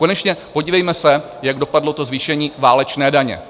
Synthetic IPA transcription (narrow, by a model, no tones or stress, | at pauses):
ko̞nɛt͡ʃɲɛpo̞ɟiːvɛjmɛsɛ | jaɡdo̞padlo̞t̪o̞zviːʃɛɲiːvaːlɛt͡ʃnɛːdaɲɛ̰